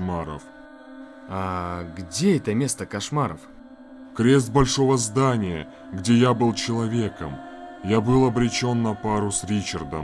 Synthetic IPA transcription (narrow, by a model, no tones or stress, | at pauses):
maɾə̰f | aɡdʲeɛt̪əmʲe̞st̪əkɐʂmaɾəf | kɾʲe̞st̪̚bɐlʲʂo̞vəzd̪anʲɪjə̰ | ɡdʲe̞jabɨlˠt͡ɕɪlˠɐvʲe̞kəmjabɨlˠɐbɾʲɪt͡ɕo̞nːɐpaɾʊsɾʲit͡ɕɪrd̪ə̰m